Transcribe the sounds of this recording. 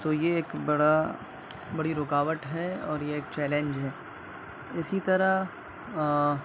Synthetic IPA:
t̪oːjeeːkbɐɽa | bɐɽiɾʊkaːʋəʈɦɛɔ̰ːɾjeeːkt͡ʃɛːlẽɲd͡ʒɦɛː | ɪsit̪ɐɾa

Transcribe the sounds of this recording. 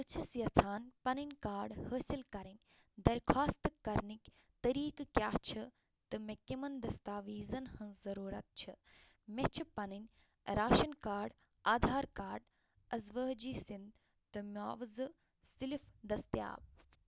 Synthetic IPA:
ɨt͡ʃʰɐsjɐt͡sʰaːnpɐninʲkaːɖhəːsilkɐɾɐnʲ | d̪ɐɾkʰaːst̪ɨkɐɾnikʲ | t̪ɐɾiːkkjaːt͡ʃʰɨ | t̪ɨmekimɐnd̪ɐst̪aːʋiːzɐnhɐnzɐɾuːɾɐ̰t̪̚t͡ʃʰɨ | met͡ʃʰipɐnɨnʲ | ɾaːʃɐnkaːɖ | aːd̪ʱaːɾkaːɾɖ | ɐzʋəːɦd͡ʒiːsind̪ | t̪ɨmʲaːʋzɨ | silifd̪ɐst̪ja̰ːb̚

